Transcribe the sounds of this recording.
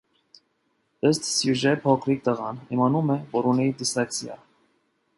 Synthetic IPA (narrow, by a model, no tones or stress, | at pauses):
əst̪sjuʒɛpʰɔkʰɾik̚t̪əʁɑnimɑnumɛvɔɾunid̪isɑkt͡sjɑ̰